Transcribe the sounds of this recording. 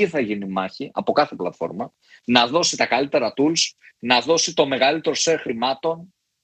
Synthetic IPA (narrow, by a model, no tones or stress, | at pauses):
iθɐʝinimɐçiʔɐ̰po̞kɐθe̞plɐt̪fo̞̰ɾmɐ | nɐðo̞sit̪ɐkɐlit̪e̞ɾɐt̪uls | nɐðo̞sit̪o̞me̞ɣɐlit̪e̞ɾose̞ɾxɾimɐt̪o̞n